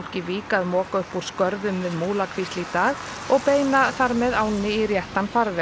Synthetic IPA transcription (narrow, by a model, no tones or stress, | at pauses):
l̥cɪviːkaðmɔːkaʏhpuɾ̥skœɾðʏmvɪðmuːlakʰvist̪it̪aːɣ | ɔɣpeːjnaθaɾmɛðaːwnɪirjɛht̪anfaɾvɛ